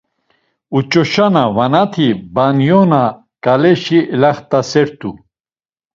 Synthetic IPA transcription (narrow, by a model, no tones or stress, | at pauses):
ut͡ʃʼɔʃanavanat̪ʰibanjɔna | kʼalɛʃilaχt̪ʼasɛɾt̪ʰu